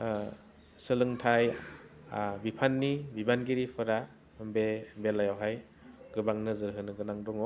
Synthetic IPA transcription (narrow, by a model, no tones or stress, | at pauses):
sɯlɯŋtʰaj | bipʰanːibibanɡiɾipʰɯɾa | mbebelajawɦaj | ɡɯbaŋnɯzɯɾɦɯnɯɡɯnaŋdɔŋɔ